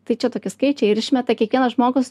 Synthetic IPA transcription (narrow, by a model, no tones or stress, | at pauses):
t̪ɐɪt͡ʃʲɛt̪oːkʲɪskɐɪt͡ʃʲɛɪɪɾɪʃʲmʲɛt̪ɐkʲiɛkʋʲiɛnɐsʒmoːɡos